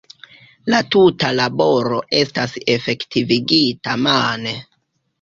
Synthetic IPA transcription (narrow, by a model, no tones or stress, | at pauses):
latutalabo̞ɾo̞ʔe̞stase̞fe̞ktiviɡitamane